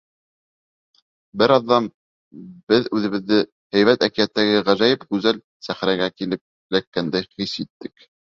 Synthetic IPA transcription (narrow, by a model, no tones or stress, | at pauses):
bɘɾɑðːɑm | b̥ɘðʉðɘ̆βɘ̆ðːɘ | hæjβæt̪ækijæt̪ːæɡɘʁæʒæjɘpkʉzæl | sæχɾæɡækilɘp̚ | lækːænd̪æjχisit̪ːɘk